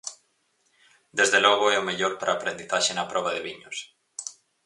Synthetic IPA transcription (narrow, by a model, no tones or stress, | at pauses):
d̪ezðelɔɣoɛʊmeʎoɾpaɾʔaːpɾend̪iθaʃenɐpɾʔɔβaðeβiɲos